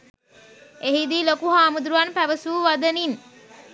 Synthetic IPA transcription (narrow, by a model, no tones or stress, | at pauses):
eɦid̪iːlokuɦaːmud̪ɾuʋanpæʋəsuːʋad̪ənin